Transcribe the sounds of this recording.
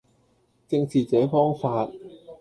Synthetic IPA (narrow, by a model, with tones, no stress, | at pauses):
t͡sɪ˧ŋt͡sʰiː˨t͡sɛː˨˥fɔː˥ŋfaː˧t̚